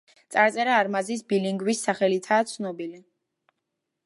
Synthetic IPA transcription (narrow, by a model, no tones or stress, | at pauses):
t̪sʼaɾt̪sʼɛɾaːɾmazisbiliŋɡwisːaχɛlit̪ʰaːt̪sʰnɔbili